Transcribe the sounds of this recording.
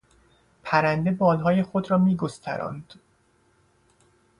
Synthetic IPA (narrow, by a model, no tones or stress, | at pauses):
pʰæɾænd̪e̞bɒːlɦɒːje̞xo̞d̪ɾɒːmiːɡo̞st̪ʰæ̰ɾɒ̰nd̪̥